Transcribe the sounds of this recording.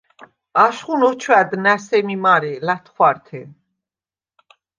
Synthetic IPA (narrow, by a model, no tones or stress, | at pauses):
aʃχunɔt͡ʃʰwæd̪næsɛmimaɾɛlat̪ʰχwaɾt̪ʰɛn